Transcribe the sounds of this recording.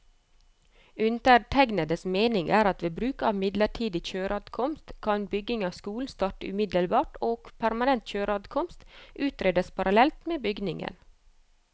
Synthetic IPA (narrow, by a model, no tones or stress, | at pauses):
ʉnt̪əʈʰæɡnəd̪əsmeːnɪŋʔæːɾɑt̪ʋeːbɾʉːkɑːʋmɪd̪ləʈʰiːd̪ɪçøːɾɑːd̪kʰɔmst̪kʰɑnbʏɡɪŋɑːʋskuːln̩st̪ɑːʈəʉmɪd̪əlbɑːʈoːɡ̥pʰæɾmɑnɛnt̪çøːɾɑːd̪kʰɔmst̪ʔʉːt̪ɾeːd̪əspʰɑɾɑlɛlt̪meːbʏɡnɪŋə̰n